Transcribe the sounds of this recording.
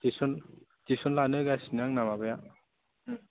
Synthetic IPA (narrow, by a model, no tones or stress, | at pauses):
tisɔn | tisɔnlanɯɡasinaŋnamabɯja